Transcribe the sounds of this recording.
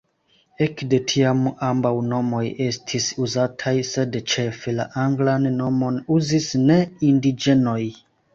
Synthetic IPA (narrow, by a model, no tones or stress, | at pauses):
e̞kde̞tʰiamambawno̞mo̞je̞stʰisuzatʰajse̞dt͡ʃe̞fela̰ʔaŋɡlanːo̞mo̞nuzisne̞indid͡ʒe̞no̞j